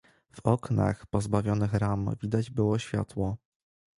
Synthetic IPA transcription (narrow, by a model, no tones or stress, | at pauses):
v̥ɔkna̰xpɔzbavʲjɔnɘxɾamvʲid̪ad͡ʑbɘwɔɕfʲja̰t̪wɔ